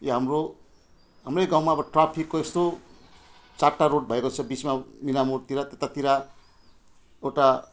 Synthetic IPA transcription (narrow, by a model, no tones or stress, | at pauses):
joɦamro | ɦamrʌjɡãw̃maʌbʌʈrapʰikːoest̪o | t͡saʈːaɾoʈ̚bʱʌekot͡sʰʌbismaminamurt̪iɾat̪et̪at̪iɾa | ewʈa